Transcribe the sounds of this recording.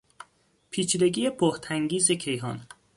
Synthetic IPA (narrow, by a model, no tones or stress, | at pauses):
pʰiːt͡ʃʰid̪e̞ɡiːjepʰoht̪ʰæŋɡiːzecʰe̞jɦɒ̰n